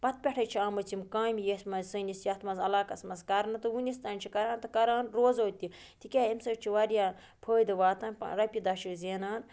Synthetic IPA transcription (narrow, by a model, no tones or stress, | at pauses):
pɐt̪̚pʲeʈʰɐjt͡ʃʰiaːmɐt͡simkaːmjesʲmɐzʲsɨnisjɐt̪ʰmɐzɐlaːkɐsmɐzkɐɾnɨt̪ɨwunist̪ɐnʲt͡ʃʰikɐɾaːnt̪ɨkɐɾaːnɾoːzoːt̪ːi | t̪ikʲaːimsɐt͡ʃʰiʋɐɾjaː | pʰəːjd̪ɨʋaːt̪an̰ʲɾɐpʲid̪ɐʃikzeːnaːn